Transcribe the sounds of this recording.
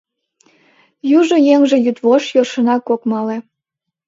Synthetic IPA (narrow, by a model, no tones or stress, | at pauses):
juʒojeŋʒĕjyt̪βoʃjoʃə̆nɑkokmɑle